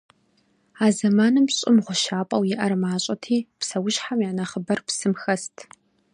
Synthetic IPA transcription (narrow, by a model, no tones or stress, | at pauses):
aːzɐmaːnɨmɕʼɪmʁʷʊʃaːpʼɐwjɪʔɐrmaːɕʼɐtʰiːpsɐwʊɕħamjaːnɐχəbɐrpsɨmxɐstʰ